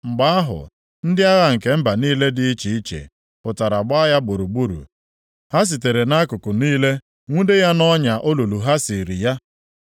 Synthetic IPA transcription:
ŋ͡m̩˨ɡ͡ba˦a˦ɦʊ̰˨ | n̩˦dɪ˦a˦ɣa˦ŋ̩˨ke˨m̩˦ba˨niː˦le˦dɪ˦i˦t͡ʃi˨i˦t͡ʃḛ˨ | pʊ˨ta˨ɾa˨ɡ͡ba˦ja˦ɡ͡bo˨ɾu˨ɡ͡bu˦ɾṵ˨ | ha˦s̬i˨te˨ɾe˨na˦kʊ˨kʊ˨niː˦le˦ | ŋʷu˦de˦ja˦nɔ˦ɲa˨ʔo˦lo˨lu˨ɦa˦si˨ɾi˨ja˦

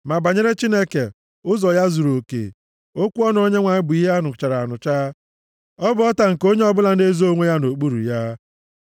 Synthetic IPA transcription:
ma˨ba˨ɲe˦ɾe˦t͡ʃi˦ne˦ke˨ | ʊ˦zɔ˨ja˦zu˨ɾo˨kḛ˨ | o˦kʷu˦ɔ˦n˨o˨˦ɲe˦ŋʷa˨ɲɪ˦bʊ˨i˦ɦe˦a˦nʊ˨t͡ʃa˨ɾa˨a˨nʊ˨t͡ʃaː˦ | ɔ˦bʊ˨ɔ˦ta˨ŋ̩˨ko˦ɲe˦ɔ˦bʊ˦la˨n̩˦de˦zo˦ŋʷe˦ja˦no˨k͡pu˦ɾṵ˨ja˦

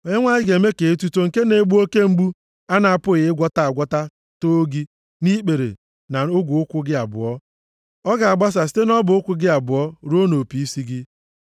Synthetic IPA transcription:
o˨ɲe˦ŋʷa˦ɪ˦ɡe˨me˦ke˨e˦tu˦to˦ŋ̩˨ke˦ne˨˦ɡ͡bu˦o˦ke˦ŋ͡m̩˦ɡ͡bu˦ | a˦na˨a˨pʊ˦ɣɪ˨ɪ˦ɡʷɔ˦ta˨a˨ɡʷɔ˦ta˦ | to˦ɡi˦ | ni˦k͡pe˨ɾḛ˨ | na˨ʊ˦ɡʷʊ˨ʊ˦kʷʊ˦ɡɪ˦a˨bʊ̰˨ɔ˦ | ɔ˦ɡa˨a˨ɡ͡ba˦s̬a˨si̥˨˦te˦nɔ˦bʊ˨ʊ˦kʷʊ˦ɡɪ˦a˨bʊ˨ɔ˦ɾo˦no˨pi˨i˦si˦ɡɪ˦

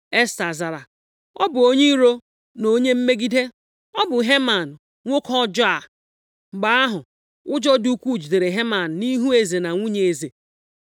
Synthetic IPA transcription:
e˦sta˨za˨ɾa˨ | ɔ˦bʊ˨o˦ɲi˦ɾo˦ | no˦ɲe˦m̩˦me˦ɡi˦de˦ | ɔ˦bʊ˨ɦe˦ma˨n̩˨ | ŋʷo˦kɔ˦d͡ʒɔ˦a˨ | ŋ͡m̩˨ɡ͡ba˨a˦ɦʊ˨ | ʊ˦d͡ʒɔ˦du˦kʷu˦˨d͡ʒi˨de˨ɾe˨ɦe˦ma˨n̩˨ni˦ɦu˦e˨ze˨na˨ŋʷu˦ɲe˨e˨ze˨

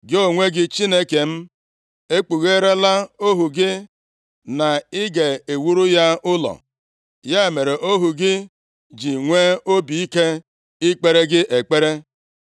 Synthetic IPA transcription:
ɡɪ˦o˦ŋʷe˦ɡɪ˦t͡ʃi˦ne˦ke˨m̩˦ | e˦k͡pu˨ɣe˦ɾe˦la˦o˦ɦu˨ɡɪ˦ | na˨ɪ˦ɡe˨e˨wu˦ɾu˦ja˦ʊ˦lɔ̰˨ | ja˦e˨me˨ɾe˨ʔo˦ɦu˨ɡɪ˦ | d͡ʒi˨ŋʷe˦o˦bi˨i˦ke˦ | ɪ˦k͡pe˦ɾe˦ɡɪ˦ʔe˨k͡pe˦ɾe˦

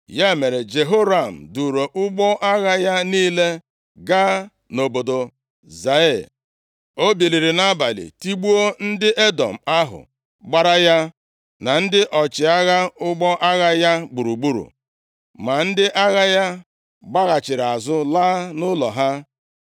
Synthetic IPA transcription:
ja˦e˦˨me˨ɾe˨d͡ʒe˨ɦo˦ɾa˨m̩˨du˨ɾo˨ʔʊ˦ɡ͡bɔ˦ʔa˦ɣa˦ja˦niː˦le˦ | ɡa˦ | no˨bo˨do˨ | za˨˦e˦˨ | o˦bi˨ɾi˨ɾi˨na˦ba˨lḭ˨ti˦ɡ͡bu˦o˦n̩˦dɪ˦ʔe˦dɔ̰˨m̩˨a˦ɦʊ̰˨ | ɡ͡ba˦ɾa˦ja˦ | na˨n̩˦dɪ˦ʔɔ˨t͡ʃɪ˨a˦ɣa˦ʊ˦ɡ͡bɔ˦ʔa˦ɣa˦ja˦ɡ͡bu˨ɾu˨ɡ͡bu˦ɾṵ˨ | ma˨n̩˦dɪ˦ʔa˦ɣa˦ja˦ | ɡ͡ba˦ɣa˨t͡ʃɪ˨ɾa˨zʊ˦laː˦nʊ˦lɔ˨ɦa˦

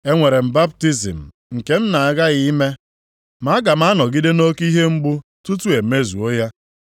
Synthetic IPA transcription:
e˦ŋʷe˨ɾe˨m̩˨ba˦b̚ti˦zḭ˨m̩˨ | ŋ̩˨ke˦n̩˦na˨a˨ɡa˦ɣɪ˨i˦me˦ | ma˨˦ɡa˨m˦a˦nɔ˨ɡi˦de˦no˦ki˦ɦe˦ŋ͡m̩˦ɡ͡bʊ˦tu˦tu˦e˨me˦zṵ˨o˦ja˦

